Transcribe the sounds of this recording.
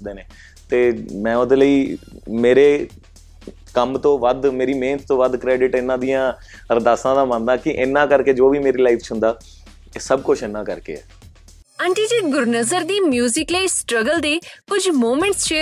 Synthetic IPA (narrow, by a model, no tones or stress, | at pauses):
d̪eːneː | t̪eːmɛ̃ːod̪eləiːmeːɾeː | kəmt̪õːʋəd̪meːɾiːmẽːntt̪õːʋəd̪kɾɛːɖɪʈɪnːãːd̪ijãːɾd̪aːsãːd̪aːmə̃nd̪ãːkɪʔɪnːãːkəɾkeːd͡ʒoːʋiːmeːɾiːlaːiːpʰt͡ʃʰɦʊ̃nd̪aː | səb̚kʊt͡ʃʰɪnːãːkəɾkḛːɛ̰ː | ə̃ɳʈiːd͡ʒeːʈɡʊɾnəzəɾd̪iːmjuːzɪkləiːsʈɾəɡəld̪eːkʊd͡ʒmoːmẽɳʈsʃeː